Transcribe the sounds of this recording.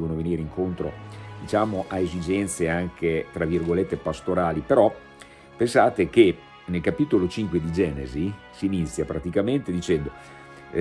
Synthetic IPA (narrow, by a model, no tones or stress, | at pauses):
vonoveniːɾeiŋkont̪ɾo̰d̪̥it͡ʃaːmoʔaezid͡ʒɛnt̪seaŋket̪ɾavirɡolet̪ːepast̪oɾaːlipeɾɔ | pensaːt̪ek̟e | nelkapit̪olot͡ʃiŋkwed̪id͡ʒɛːnḛzi | siːnit̪sːjapɾat̪ikament̪ed̪it͡ʃɛnd̪o